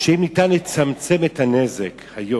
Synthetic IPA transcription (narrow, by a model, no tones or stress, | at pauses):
ʃeimnitanlet͡samt͡semethanezekhajo